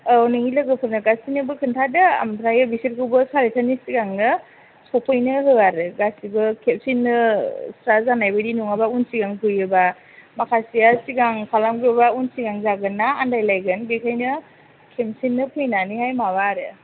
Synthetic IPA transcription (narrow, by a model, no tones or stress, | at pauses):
anɯŋilɯɡɯpʰɯɾnɯɡasinɯbɯkʰɯntʰadɯa̰mtʰɾajɯbisiɾ̚kʰɯwbɯsaɾetʰanisiɡaŋnɯ | sɔpʰɯjnɯɦɯaɾɯɡasibɯkʰep̚sinːɯsɾazanajbɯdinuŋabaunsiɡaŋpʰɯjɯba | makʰasijasiɡaŋkʰalamɡbaunsiɡaŋzaɡɯnːaːndajlajɡɯnbekʰajnɯ | kʰemsinːɯpʰɯjnanihajmabaɾɯ